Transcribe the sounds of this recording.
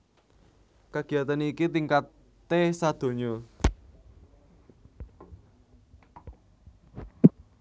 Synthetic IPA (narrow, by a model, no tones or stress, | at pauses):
kaɡ̥i̤jat̪anikit̪iŋkat̪ː | esad̪̥o̤ɲɔ